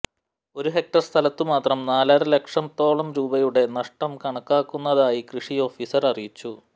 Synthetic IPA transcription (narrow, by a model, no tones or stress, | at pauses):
o̞ɾuɦe̞k̚ʈɐrst̪ʰɐlɐt̪ːɨmaːt̪rɐmnaːlaːɾɨle̞kʂɐmt̪o̞ːɭɐmɾuːbɐjuɽe̞nɐʂʈɐmkɐɳɐkːaːkːunːɐðaːjikrɨʂijo̞ːfiːsɐrɐrijit͡ɕːu